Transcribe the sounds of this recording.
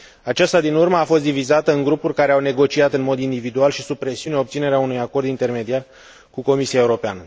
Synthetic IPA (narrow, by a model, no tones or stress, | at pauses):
at͡ʃast̪ad̪inurməafo̞st̪d̪ivizat̪əɨŋɡɾupurʲkaɾe̞awne̞ɡo̞t͡ʃiat̪ɨnmo̞d̪ind̪ivid̪ualʃisub̚pɾe̞siuneopt̪sine̞ɾeaunujako̞rd̪int̪e̞rme̞d̪iar | kuko̞misiae̞uɾo̞peanə